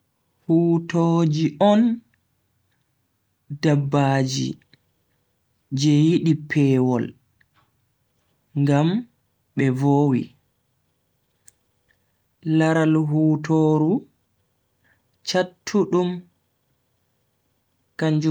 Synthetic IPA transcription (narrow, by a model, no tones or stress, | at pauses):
huːtod͡ʒiʔɔn | dabːaːd͡ʒḭ | d͡ʒɛjiɗipʰɛwɔl | ŋɡam | ɓɛvoːwḭ | laɾalɦuːtʰoːɾu | t͡ʃatʰːuɗum | kaɲd͡ʒ